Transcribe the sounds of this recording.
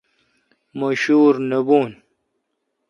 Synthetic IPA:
moɕuːɾnɐbuːn

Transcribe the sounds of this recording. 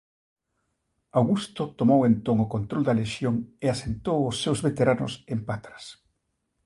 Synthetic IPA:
awɣust̪ʊt̪omowent̪oŋʊkont̪ɾold̪ɐleʃjoŋeasent̪owʊsːewzβet̪eɾanʊ̰sempat̪ɾɐs

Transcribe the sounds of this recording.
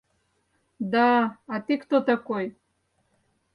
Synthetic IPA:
d̪aat̪ikt̪ot̪akoj

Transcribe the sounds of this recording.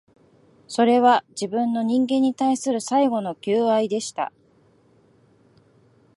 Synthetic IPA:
so̞ɾe̞βad͡ʑibɯ̟̃nːo̞ɲ̟ĩŋɡẽ̞ɲ̟ːit̪aisɨɾɯ̟saiɡo̞no̞kʲɨːaid̪e̞ɕi̥t̪a̰

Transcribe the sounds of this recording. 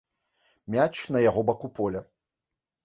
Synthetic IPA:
mʲat͡ʂnɐjaɣɔbakupɔlʲɐ

